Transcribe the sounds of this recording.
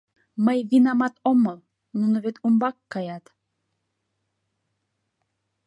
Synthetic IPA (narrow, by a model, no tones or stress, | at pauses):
məjβinɑmɑt̪omɤl | nunoβet̪umbɑkːɑjɑt̪